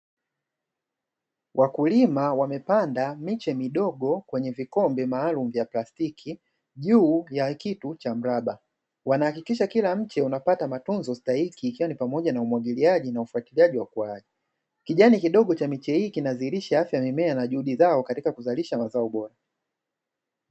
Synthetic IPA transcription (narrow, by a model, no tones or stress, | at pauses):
wʔakulimawamɛpandamit͡ʃɛmiɗɔɠɔkwɛɲɛvikɔmbɛmaːlum̩vjaplastikʰi | ʄuːjakitut͡ʃam̩ɾaɓa | wanahakikiʃakilam̩t͡ʃɛunapatamatunzɔstahikiːkiwanipamɔʄanaumwaɡiliaʄinaufuatiliaʄiwakuaʄi | kiʄanikiɗɔɠɔt͡ʃamit͡ʃɛhiːkinaziːɾiʃaafjamimɛanaʄuhuɗizaɔkatikakuzaliʃamazaɔɓɔɾa